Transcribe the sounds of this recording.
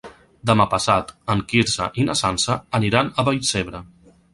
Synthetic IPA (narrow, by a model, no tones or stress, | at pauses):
d̪əmapəsat̪əŋkiɾsə̰ʔinəsansəːniɾanəβəjseβɾə